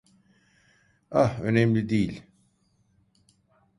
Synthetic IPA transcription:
ahønɛmlʲid̪ijlʲ

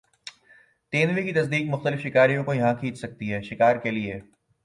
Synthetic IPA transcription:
t̪eːnʋikit̪ɐsd̪iːkmʊxt̪əlɪfʃɪkaːɾijõkojɐɦãkʰiːt͡ʃsɐk̚t̪iɦɛːʃɪkaːɾkelieː

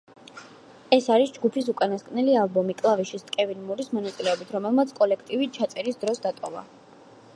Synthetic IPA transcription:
ɛsaɾisd͡ʒɡupʰisukʼanaskʼnɛlialˠbɔmikʼlˠaviʃist̪ʼkʼɛvinmuɾismɔnat̪sʼilɛɔbit̪ʰɾɔmɛlˠmat̪sʰkʼɔlɛkʰt̪ʼivit͡ʃʰat̪sʼɛɾisd̪ɾɔsd̪at̪ʼɔva̰

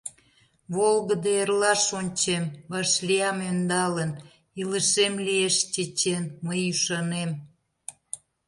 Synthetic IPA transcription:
βolɣəd̪eerlɑʃonʲt͡ɕemβɑʃlʲiɑmønd̪ɑlən | iləʃemlieʃt͡ɕet͡ɕenməjyʃɑnem

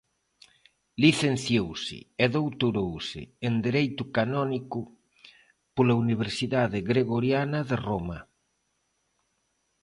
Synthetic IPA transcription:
liθenθjowsɪ̰eðowt̪uɾowsɪ̰ːnd̪eɾejt̪ʊkanɔnikʊ | polauniβ̞eɾsiðaðɪɣɾeɣoɾjanɐðeromɐ

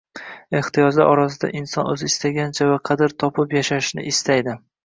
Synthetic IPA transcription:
e̞ht̪ʰɪjɒd͡ʒd̪a̰ʔɒɾasɪd̪a̰ʔɪnsɒnɵzɪɪst̪aɡʲant͡ʃʰavaqʰɑd̪ɪɾt̪ʰɒpʰɪpjaʃaʃnɪ̰ʔɪst̪ʰajd̪ɪ

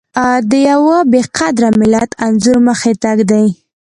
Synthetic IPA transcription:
ad̪əjawəbeqʰad̪ɾamɪlat̪anzuɾməxet̪aɡd̪aj

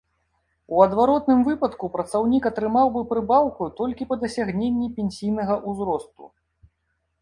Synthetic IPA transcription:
uɐd̪vaɾɔt̪̚nɨmvɨpɐt̪kupɾɐt̪sawnʲikɐt̪ɾɨmawbɨpɾɨbawkut̪ɔlʲkʲipɐd̪ɐsʲaɣnʲenʲːipʲenʲsʲijnɐɣɐʔuzɾɔst̪ṵ

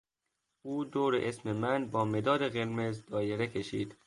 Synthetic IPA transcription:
uːd̪oːɾḛʔesmemænbɒːme̞d̪ɒːd̪eɣeɾmezd̪ɒːjeɾekʲʰe̞ʃḭːd̪

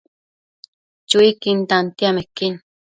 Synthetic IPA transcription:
t͡ʃuikint̪ant̪iamekin

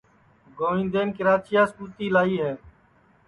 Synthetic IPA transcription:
ɡoːĩːnd̪eːnkɪɾaːt͡ʃɪjaːskuːt̪iːlaːiːɦɛː

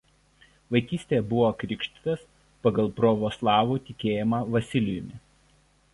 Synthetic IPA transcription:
ʋɐɪkʲiːsʲt̪ʲejɛbʊʋoːɐkɾʲɪkʃʲt̪ʲɪ̥t̪ɐs | pɐɡɐlˠpɾɔʋoːslˠɑːʋuːt̪ʲɪkʲeːjɛmɑʋɐsʲɪlʲɪjʊmʲɪ

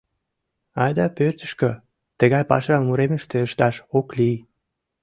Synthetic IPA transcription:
ɑjd̪ɑpørt̪ə̥ʃkø | t̪əɣɑjpɑ̰ʃɑmuɾeməʃt̪eəʃt̪ɑʃokli

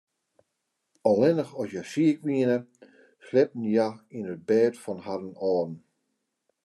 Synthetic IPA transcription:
ɔlˠɪnəxɔsjasiəkʋiənə | slɛp̚n̩jainət̚bɛːtfɔnhaɾənɔːdn̩

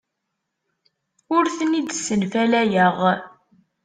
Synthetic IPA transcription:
ʊɾθənid̪sənfælæjəʁ

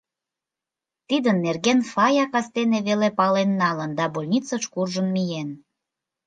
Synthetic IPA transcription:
t̪id̪ənːerɣenfɑjɑkɑst̪eneβelepɑlenːɑlənd̪ɑbolʲnʲit͡səʃkurʒənmijen

